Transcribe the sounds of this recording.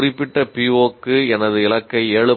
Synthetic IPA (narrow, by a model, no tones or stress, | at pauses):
rɪpːɪʈːɐpiːoːkːɯɛnɐðɯɪɭɐkːɐɪeːɭɯ